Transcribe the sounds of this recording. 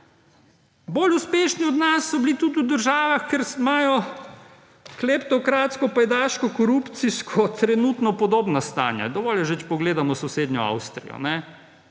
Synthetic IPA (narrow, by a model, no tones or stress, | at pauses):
boːluspeːʃniɔd̪nasːɔbilit̪ut̪ud̪əɾʒaːʋaxkɛɾmaːjɔ | klɛpt̪ɔkɾaːt̪skɔpajd̪aːʃkɔkɔɾupt̪siskʰɔt̪ɾɛnut̪nɔpɔd̪oːbnast̪a̰ːnja̰d̪ɔʋɔljɐʒət͡ʃpɔɡleːd̪amɔsɔseːd̪njɔa̰wst̪ɾḭjɔ̰nɛ